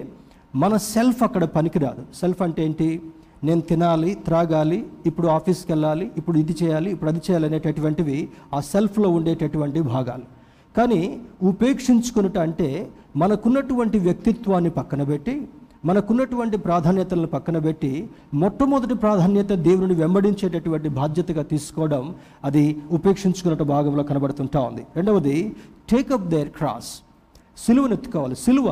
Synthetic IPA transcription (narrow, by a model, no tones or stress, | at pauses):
mɐnɐse̞lpʰɐkːɐɽɐpɐnikiɾa̰ːd̪use̞lpʰɐɳʈe̞ːɳʈi | ne̞ːnut̪inaːlit̪ɾaːɡaːliːpːuɽuaːpʰiːskɛlːaːliːpːuɽuid̪it͡ʃɛːjaːliːpːuɽuɐd̪it͡ʃɛːjaːlɐne̞ːʈeʈuʋɐɳʈiʋiaːse̞lpʰlo̞ːuɳɖeːʈɐʈuʋɐɳʈibʱaːɡa̰ːlu | kaːniupe̞ːkʂiɲt͡ʃu̥kunɐʈɐɳʈe̞ː | mɐnɐkunːɐʈuʋɐɳʈiʋjɐk̚t̪it̪ʋaːnːipɐkːɐnɐbeʈːi | mɐnɐkunːɐʈuʋɐɳʈipɾaːd̪ʱaːnjɐt̪ɐlɐnupɐkːɐnɐbe̞ʈːimɔʈːɐmud̪ɐʈipɾaːd̪ʱaːnjɐt̪ɐd̪eːʋunɐniʋembɐɽiɲt͡ʃeːʈɐʈuʋɐɳʈibʱaːd̪jɐt̪ɐɡaːt̪iːsu̥kɔːʋɐɽɐm | ɐd̪iupe̞ːkʂiɲt͡ʃukunːɐʈɐbʱaːɡɐmloːkɐnɐbɐɽut̪uɳʈaːund̪iɾe̞ɳɖɐʋɐd̪iʈeːkɐp̚d̪eɾkɾa̰ːsː | iluʋɐnet̪ːu̥kɔːʋaːlisiluʋɐ